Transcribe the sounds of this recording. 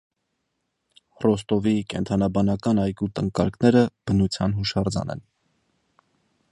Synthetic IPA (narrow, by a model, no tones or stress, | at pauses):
rɔst̪ɔvikɛnt̪ʰɑnɑbɑnɑkɑnɑjkut̪əŋkɑɾknɛɾəb̥ənut͡sʰjɑnɦuʃɑɾd͡zɑ̰nɛ̰n